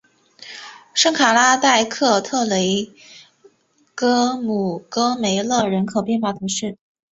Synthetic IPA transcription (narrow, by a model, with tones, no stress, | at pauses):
ʂɤ˥ŋkʰa˨˩la˥t̪a˥˧ɪkʰɤ˥˧t̪ʰɤ˥˩le˧˥ɪ | kɤ˥mu˨˩kɤ˥me˧˥ɪlɤ˥˩ɻə˧˥nkʰo˨˩ʊpjɛ˥˧nxwa˥˩t̪ʰu˧˥ʂɻ̩˥˩